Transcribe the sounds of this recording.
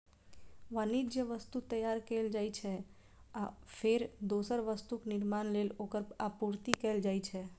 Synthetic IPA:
ʋənid͡ʒjəʋəst̪ut̪əjaːɾkeːld͡ʒaːit͡ʃʰɛ | apʰeɾd̪oːsəɾʋəst̪uknɪɾmaːnleːloːkəɾapuɾt̪ikɛːld͡ʒaːit͡ʃʰɛ

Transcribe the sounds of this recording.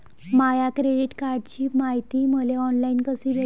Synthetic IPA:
majakɾeɖiʈkaɾɖt͡ɕiːmaɦit̪iːməleɔnlainkəsiːʋe

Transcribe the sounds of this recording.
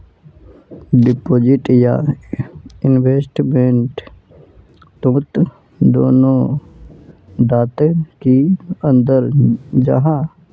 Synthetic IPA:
ɖɪpoːd͡ʒɪʈja | ɪnweːsʈmẽɳʈ | t̪õːt̪ | d̪o̰ːnõ | d̪aːt̪ẽkiə̃nd̪əɾd͡ʒə̰ɦãː

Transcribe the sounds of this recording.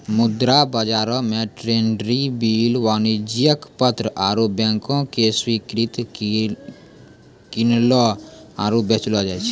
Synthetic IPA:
mʊd̪ɾabəd͡ʒaːɾõmẽʈɾeːnɖɾibiːlwaːnid͡ʒijəkpət̪ɾəʔaːɾoːbjɛ̃ŋkõkeswikɾɪt̪ | kɪnloaːɾobjet͡ʃlɔd͡ʒat͡ʃʰi̥

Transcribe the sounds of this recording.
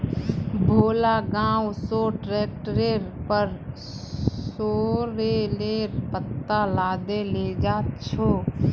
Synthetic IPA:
bʱoːlaːɡãːwsoːʈɾeːk̚ʈɾeːɾpəɾ | soːɾeːleːɾpət̪ːaːlaːd̪eːleːd͡ʒaːt̪t͡ʃʰoː

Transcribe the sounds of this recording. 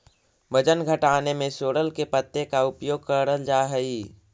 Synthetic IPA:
bəd͡ʒənɡʱəʈaːnemẽsoːɽəlkepət̪ːekaʊpjoːɡ̚kəɽəld͡ʒaːɦəi

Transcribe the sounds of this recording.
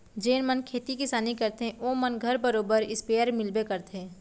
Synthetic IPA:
d͡ʒeːnmɐnkʰeːt̪ikɪsaːnikɐɾt̪eɦɛ̃oːmɐnɡʱɐɾbɐɾoːbəɾɪspeːəɾmɪlbekɐɾt̪ɦẽː

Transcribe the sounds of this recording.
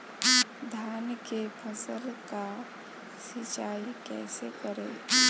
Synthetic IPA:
d̪ʱjaːnkepʰəsəlka | sit͡ʃaːikɛ̰ːsekəɾḛ

